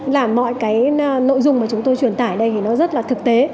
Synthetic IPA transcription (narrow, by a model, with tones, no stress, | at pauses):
laː˨˩mːɔ̰˧˨jkaː˨˦jno̰˧˨jzʊ˧ŋ͡mmaː˨˩t͡ɕʊ˨˦ŋ͡mt̪o˧jt͡ɕwi˨˩ənt̪aː˧˩jɗə˧jt̪ʰi˨˩nɔ˨˦zə˦˥t̚laː˨˩t̪ɨ˨˩k̚t̪e˨˦